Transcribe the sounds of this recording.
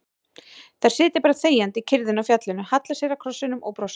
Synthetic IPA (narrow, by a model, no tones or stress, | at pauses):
θaɾ̥sɪːt̪ɪpaːɾaθeːjant̪ɪcʰɪɾðɪnawfjat̪lʏnːʏhat̪lasjɛɾakʰɾɔsɪnʏmɔ̰wpɾows